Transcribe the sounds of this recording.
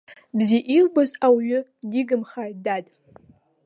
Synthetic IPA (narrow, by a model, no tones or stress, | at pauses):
bziʔirbazawjʊdiɡɨmχajdadʼ